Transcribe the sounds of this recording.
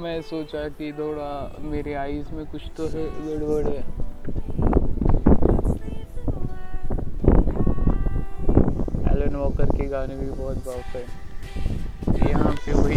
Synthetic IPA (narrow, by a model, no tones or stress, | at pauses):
mɛ̃soːt͡ʃakit̪ʰoːɽameːɾeaːismẽkʊt͡ʃʰt̪oɦɛləɽbəɽɦɛː | ɛ̰ːlənʋɔːkəɾkiɡaːnebʱibɔːt̪baːt̪ɛː | jɐɦãpeʋɐɦi